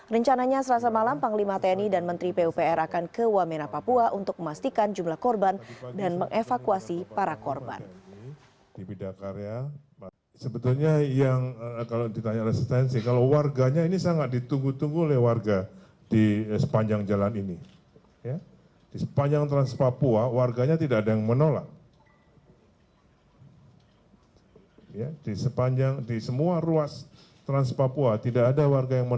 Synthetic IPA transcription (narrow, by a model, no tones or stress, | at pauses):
rəɲt͡ʃanaɲasəlas̬amalampaŋlimat̪enidanmənt̪ɾipeupeɛɾʔakankəwamenapapuaʔunt̪ʊk̚məmast̪ikand͡ʒumlahkɔrbandanməŋʔefakuasipaɾakɔrba̰n | d̥ipidakaɾea | səbət̪ulɲajaŋkalodit̪aɲaɾɛsist̪ɛnsikalowarɡaɲainisaŋat̪̚dit̪uŋɡut̪uŋɡuolɛhwarɡa | d̥isə̥paɲd͡ʒaŋd͡ʒalanini | ja | d̥isə̥paɲd͡ʒaŋt̪ɾanspapuawarɡaɲat̪idaːdajaŋmənola̰k̚ | jadisəpaɲd͡ʒaŋdisəmuaruas | t̪ɾanspapuat̪idaːdawarɡajaŋmə